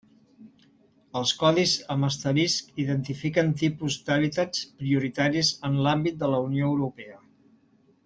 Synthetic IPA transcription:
əlˠskɔðizəməst̪əɾiskiðənt̪ifikənt̪ipuzd̪aβ̞it̪at͡spɾiuɾit̪aɾizənlambit̪̚d̪ələunioəwɾupɛə

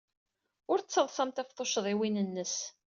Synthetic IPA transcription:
ʊɾt͡sːəðˤsɑmt̪æfθˤoʃðˤɪwinənːəs

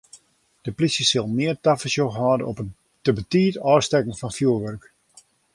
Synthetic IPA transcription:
d̥əplisjəsɪlˠmɪːərtafəsjoxɦɔːdənɔpən | təbətiːtɔːstɛkən̩fɔnfjuəʋørk

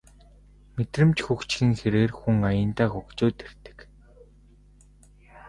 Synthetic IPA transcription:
met̪rɘ̆mt͡ɕxukt͡ɕxɘ̆ŋxeɾeːrxuŋajə̆nt̪aːxukt͡ɕʊːt̪er̥t̪ɘ̥̆k

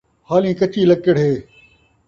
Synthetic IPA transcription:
haːlĩːkət͡ʃiːləkːəɽ̤ɦeː

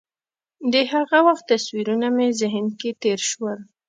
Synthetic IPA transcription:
d̪əɦaɣawaxt̪ːaswiɾunamezɪɦnket̪eɾʃwəl

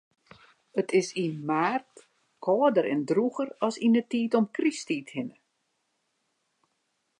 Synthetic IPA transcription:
ətʰɪsimaːrt | kʰɔːədəɾɛndruɣərɔsinətiːtɔmkristiːthɪnə

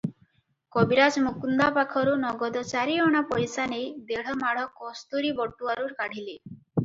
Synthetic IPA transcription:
kɔbiɾad͡ʒmukund̪apakʰɔɾunɔɡɔd̪ɔt͡ʃaɾiɔɽ̃apɔjsanejd̪eɽ̤ɔmaɽ̤ɔkɔst̪uɾibɔʈːuaɾuɾkaɽ̤ili

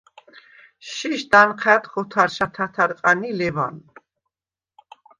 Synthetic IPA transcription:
ʃiʃd̪anqʰat̪χɔt̪ʰaɾʃat̪ʰat̪ʰaɾqʼanilɛva̰n

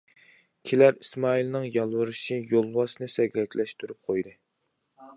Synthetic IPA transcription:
kʲʰilæɾismɑilnɨŋjɑlˠwɨɾɨʃijolˠwɑsnɨsɛɡʲlɛkʲlɛʃt̪yɾyp̚qʰojd̪ɨ

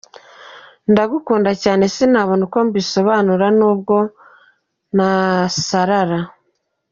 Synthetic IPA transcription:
ndaɡukuːndacaːne̞sinaːβonuko̞mbiso̞βaːnuɾanuːb̚ɡo̞ | nasaɾaɾa

